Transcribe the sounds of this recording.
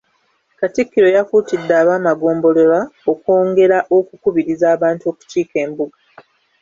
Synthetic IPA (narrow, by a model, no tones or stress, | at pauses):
katikːiɾo̞jakuːtidːaːβaːmaɡo̞ːmbo̞le̞laoko̞ːŋɡe̞ɾaʔo̞kukuβiɾizaːβaːntuo̞ku̥t͡ʃiːke̞ːmbuɡa